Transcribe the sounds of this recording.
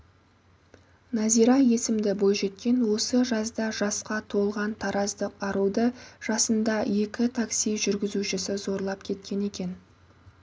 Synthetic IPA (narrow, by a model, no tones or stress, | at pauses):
nɑziɾɑje̞sɪmd̪ɪbo̞jʒe̞t̪̚kʲe̞nwo̞səʒɑsd̪ɑʒɑsqɑt̪ʰo̞lˠʁɑnt̪ʰɑɾɑzd̪əqɑɾuwd̪əʒ̥ɑsənd̪ɑje̞kʲɪt̪ʰaksijʒʏɾɡʲɪzuʃɪsɪzo̞ɾlˠɑp̚kʲʰe̞t̪̚kʲe̞ne̞kʲe̞n